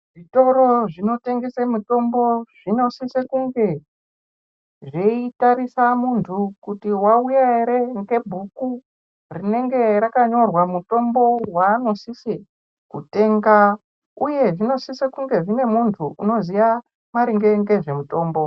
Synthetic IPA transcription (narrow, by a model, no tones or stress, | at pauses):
ʐito̞ɾo̞ʐino̞te̞ŋɡesemuto̞mbo̞ʐ̥ino̞sisekuŋɡe̞ | ʐeitaɾisamuntʰukutiwaujaeɾe̞ŋɡe̞bʱuku | rine̞ŋɡe̞ɾakaɲo̞rwamuto̞mbo̞waːno̞sise | kute̞ːŋɡa | uje̞ʐino̞sisekuŋɡe̞ʐine̞muntʰuʔuno̞zija | maɾiŋɡe̞ŋɡe̞ʐe̞muto̞ːmbo̞